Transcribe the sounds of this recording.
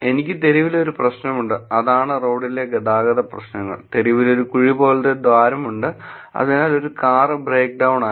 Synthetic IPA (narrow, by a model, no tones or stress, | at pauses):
e̞nikʲːɨt̪e̞ɾiʋilo̞ɾuprɐɕnɐmuɳɖɨɐðaːɳɨroːɖilːeɡɐd̪aːɡɐðɐprɐ̰ɕnɐŋːɐ̰ɭt̪e̞ɾiʋilo̞ɾukuɻibo̞ːlɐt̪ːed̪ʋaːɾɐmuɳɖɨ | ɐ̰ðinaːlo̞ɾukaːrɨbreːk̚ɖɐwɳaː